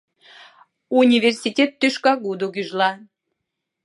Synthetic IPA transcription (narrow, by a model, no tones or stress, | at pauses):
unʲiversʲitʲet̪ːøʃkɑɣud̪oɣyʒlɑ